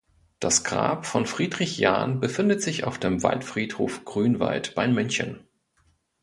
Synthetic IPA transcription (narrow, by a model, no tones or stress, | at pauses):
d̥asɡ̥ʁa̰ːpfɔnfʁ̥iːdʁɪçja̰ːnbəfɪndətz̥ɪça̰ʊfd̥eːmva̰ltfʁ̥iːthoːfɡ̥ʁyːnva̰ltb̥aɪmʏnçə̰n